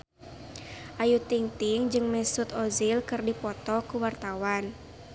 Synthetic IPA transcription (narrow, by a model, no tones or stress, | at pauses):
ʔajut̪iŋt̪iŋd͡ʒɨŋmɛsut̪ɔzilkɨrdipɔt̪ɔkuwart̪awan